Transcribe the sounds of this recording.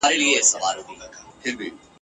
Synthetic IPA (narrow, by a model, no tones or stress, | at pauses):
aːɾeliesɐʋaːɾɦiːpʰɪɾbʱiː